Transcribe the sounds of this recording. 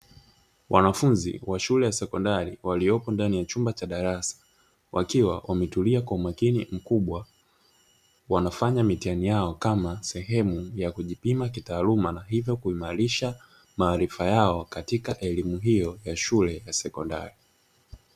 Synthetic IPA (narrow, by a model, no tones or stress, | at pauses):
wʔanafunzḭwaʃulɛjasɛkɔndaɾiwaliɔpɔndanijat͡ʃumbat͡ʃaɗaɾasḁ | wʔakiwa̰wʔamɛtuliakwaumakinim̩kuɓwa | wanafaɲamitianijaɔkamasɛɦɛmujakuʄipimakitaːlumanaɦivjɔkuimaɾiʃa | maːɾifajaɔkatikaʔɛlimuɦijɔjaʃulɛjasɛkɔnda̰ɾi